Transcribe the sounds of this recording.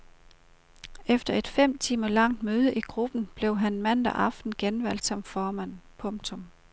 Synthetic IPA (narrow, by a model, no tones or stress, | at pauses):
efd̥ɐe̝d̥fem̰t͡sʰiːmɐlɑ̈ŋ̰d̥møːð̞ˠəʔiɡ̥ʁub̥n̩b̥le̝ʊɦænmæn̰d̥æʔɑ̈fd̥n̩ɡ̥enʋæl̰d̥sɒ̽mfɒːmæn̰pʰɔ̽ŋ̥t͡sʰɔm